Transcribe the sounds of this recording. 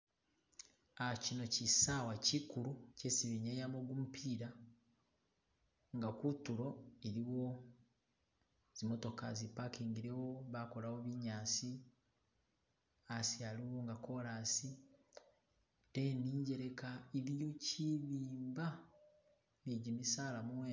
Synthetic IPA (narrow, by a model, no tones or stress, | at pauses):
acino̞cisawacikuɾucesiβiɲejamoɡumupʰiːɾa | ŋɡakutuɾo̞eɾiwo̞ | z̥imo̞to̞kazipakiːŋɡiɾewo̞βako̞lawoβiɲaːsi | asialiwoŋɡako̞ɾasi | teniːɲɟe̞ɾekaiɾijociβiːmba | neɟimisaːlamuwe